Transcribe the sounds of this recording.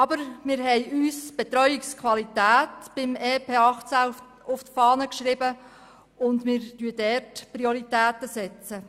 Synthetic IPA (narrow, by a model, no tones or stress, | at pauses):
ɑbəɾmɪːɾɦɛjyːsb̥et̪ɾœʏɪkskʰwɑlitæːtb̥ɪmɛːpʰeːɑχt͡sæ | ʊftfɑːnəkʃɾɪbə | ʊndmɪːɾtyədɛrtprioɾit̪æːtəsɛt͡sə